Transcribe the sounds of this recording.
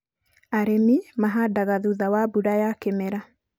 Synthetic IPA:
aɾemimaɦadaɣaðuðawabuɾajakemɛɾa

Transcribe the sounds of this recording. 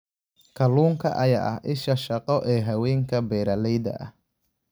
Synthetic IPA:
kʰɐluːŋkʰɐ̰ʔɐja̰ːʔɐhʔɪʃɐʃɐqɔʔɛːɦɐwɛːŋkʰɐbɛːɾɐlɛjdɐ̰ʔɐ̰h

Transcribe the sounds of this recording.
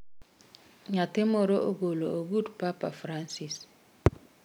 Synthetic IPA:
ɲatɪmɔɾoʔoɡolooɡudpapafɾansis

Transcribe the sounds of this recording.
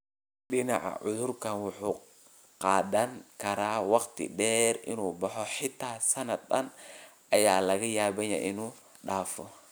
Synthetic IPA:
ɗɪnɑʕɑ̰ʕʊðʊrkʰɐnwʊħuː | qɑːðɐŋkʰɐɾaːwɑqt̪ʰɪ̰ɖɛːrʔɪnuːbɑħɔħɪt̪ʰaːsɐnɐd̪ɐn | ʔɐjaːlɐɣɐjaːβɛjɐ̰ʔɪnuː | ɖaːfɔ

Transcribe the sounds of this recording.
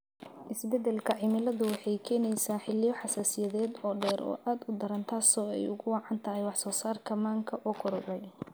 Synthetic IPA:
ʔɪsbɛd̪ɛlkʰɐʕɪmɪlɐðʊwɑħɑjkʰɛːnɛjsaːħɪlɪjɔħɑsaːsɪjɐðɛːd̪ɔːɖɛːɾʔɔ̰ːʔaːd̪ʊd̪ɐɾɐnt̪ʰaːsɔːɛ̰jʊɣʊwɑːʕɑnt̪ʰɐɦɛjwɑħsɔːsaːrkʰɐmaːŋkʰɐʔɔkʰʊɾʊʕɛj

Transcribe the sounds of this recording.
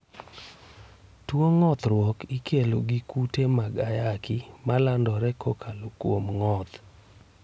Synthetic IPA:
twoŋɔt̪ɾwɔkikeloɡikutemaɡajakɪmalandɔɾɛkʰokʰalokwomŋɔt̪

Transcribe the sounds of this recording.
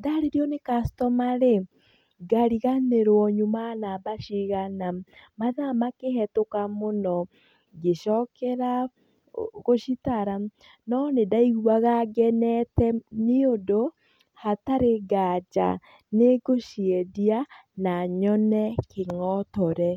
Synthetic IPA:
daɾeɾjɔnekastɔmaɾe | ɡaɾiɣaneɾwɔɲomanabaʃiɣanamaðamakeɦɛtokamonɔ | ɡeʃɔkɛɾa | ɣoʃitaɾa | nɔnedaiɣuaɣaɡɛnɛtɛneodo | hataɾeɡad͡ʒa̰ | neɡoʃiɛdianaɲɔnɛkʰeŋɔtɔɾɛ

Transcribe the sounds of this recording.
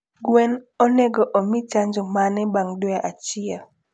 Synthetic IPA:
ɡwɛnonɛɡɔʔomit͡ʃaɲd͡ʒɔmanɛbaŋdwɛʔat͡ʃɪɛl

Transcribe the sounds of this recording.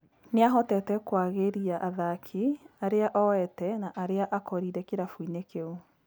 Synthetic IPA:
neaɦɔtɛtɛkwaɣeɾiaʔaðakʰiaɾeaʔɔɛtɛnaʔaɾeaʔakɔɾiɾɛkeɾafwinekeo

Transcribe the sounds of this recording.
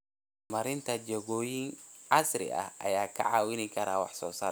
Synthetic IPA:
mɐɾɪnt̪ʰɐd͡ʒɛɣɔːjɪŋʕɑsrɪ̰ʔɐ̰hʔɐjaːkʰɐ̰ʕɑːwɪnɪkʰɐɾa̰ːwɑ̰ħsɔ̰ːsa̰ː

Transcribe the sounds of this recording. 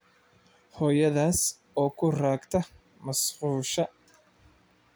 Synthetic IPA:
hɔːjɐðaːs | ɔːkʰʊraːɡt̪ʰɐ | mɐsquːʃɐ

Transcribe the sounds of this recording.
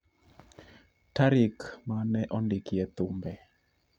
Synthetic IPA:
taɾɪkmanɛʔɔndɪkiɛt̪ʊmbɛ

